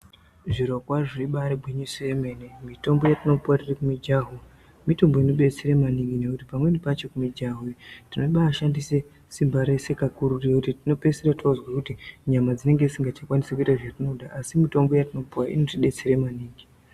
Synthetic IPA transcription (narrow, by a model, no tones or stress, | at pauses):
ʐirokwaʐoiɓaɾebʱweɲusoemenemito̞mbo̞jatino̞puwatirikumid͡ʒaɦu | mito̞mbo̞ino̞ɓe̞t͡seɾemaniŋɡine̞kutipamwe̞nipat͡ʃe̞kumid͡ʒaɦutino̞iɓaːʃandise̞ | simbaɾe̞se̞kakuɾuriekutitino̞pe̞seratozwakutiɲamad͡zine̞ŋɡe̞isiŋɡat͡ʃakwanisakuitaʐatino̞ɗaʔasimito̞mbo̞jatino̞puwaḭno̞tiɓe̞t͡seɾemaniːŋɡi